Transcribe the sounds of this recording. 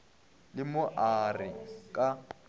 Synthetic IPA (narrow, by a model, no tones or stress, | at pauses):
lɪmʊʔarɪkʼa